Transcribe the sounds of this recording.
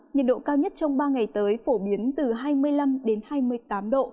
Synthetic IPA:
ɲə̰˨˩nɗo̰˧˨kaː˧wɲə˦˥t̚t͡ɕɔ˧wŋ͡mɓaː˧ŋa˨˩jt̪əː˨˦jfo˧˩ɓi˨˦ənt̪ɨ˨˩ɦaː˧jmɨ˧əjla˧mɗe˨˦nhaː˧jmɨ˧əjjt̪aː˨˦mɗo̰˧˨

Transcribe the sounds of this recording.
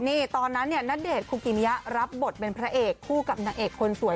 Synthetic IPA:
niː˥˩t̪ɔː˧nːa˦˥nːi˥˩ɐna˦˥deː˨˩t̪̚kʰuː˧ki˧˩ni˦ja˦˥ɾa˦˥p̚bo˨˩t̪̚pe˧npʰɾa˦˥ʔeː˨˩kʰːuː˥˩ka˨˩p̚na˧˩ŋʔeː˨˩kʰːo˧nsu˨˩˦j

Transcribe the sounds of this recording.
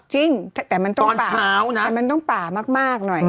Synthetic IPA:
t͡ɕi˧˥ŋt̪ʰt̪ɛː˨˩mi˨˩t̪ɔ˧˦ɔ˧˨˩naː˨˩aː˧˦wma˨˩ŋt̪ɔ˦˥ŋpaː˨˩ma˦˥k̚maː˧˥˩k̚no˨˩j

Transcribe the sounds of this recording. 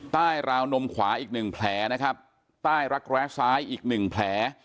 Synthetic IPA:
t̪aː˥˩jɾaː˧wno˧mkʰwaː˩˦ʔiː˨˩k̚nɯ˨˩ŋpʰlɛː˩˦na˦˥kʰa˦˥p̚ | t̪aː˥˩jɾa˦˥k̚ɾɛː˦˥saː˦˥jʔiː˨˩k̚nɯ˨˩ŋpʰlɛː˩˦

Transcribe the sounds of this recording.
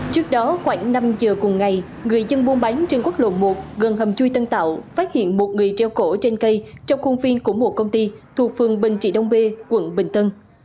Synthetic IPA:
t͡ɕɨ˦˥ək̚ɗɔ˨˦xwaː˧˩ŋna˧mzəː˨˩kʊ˨˩ŋ͡mŋa˨˩j | ŋɨ˨˩əjzə˧nɓu˨˦nɓa˨˦jŋt͡ɕe˧nkwa˦˥t̚lo̰˧˨mu˨˩t̚ɣə˨˩nɦə˨˩mt͡ɕu˧jt̪ə˧nt̪a̰ː˧˨wfaː˦˥t̚hḭ˧˨ənmo˨˩t̚ŋɨ˨˩əjt͡ɕɛ˧˩wko˧˩t͡ɕe˧nkə˧jt͡ɕɔ˧wŋ͡mxə˧ŋ͡mvi˧nku˧˩əmu˨˧˩kə˧wŋ͡mt̪i˧t̪ʰu˨˩ək̚fɨ˨˩əŋɓï˨˩ŋ̟t͡ɕḭ˧˩ɗə˧wŋ͡mɓe˧kwə̰˧˩nɓï˨˩ŋ̟t̪ə˧n

